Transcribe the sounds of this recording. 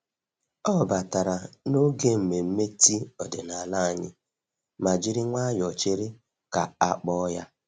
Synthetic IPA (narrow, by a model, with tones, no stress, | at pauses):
ɔ˦˨ba˨ta˨ɾa˨no˦ɡe˦m̩˨me˨m̩˦me˦ti˦ɔ˨dɪ˨na˨la˦˨a˨ɲɪ˦ | ma˨d͡ʒi˦ɾi˦ŋʷa˦jɔ˨t͡ʃe˦ɾɪ˦ | ka˨a˦k͡pɔ˦ja˦